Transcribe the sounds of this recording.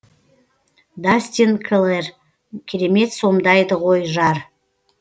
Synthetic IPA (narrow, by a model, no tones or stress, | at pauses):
d̪asʲt̪ʲinkʰlˠer | kʲʰeɾe̞me̞t̪so̞md̪ɑjd̪əʁo̞jʒɑɾ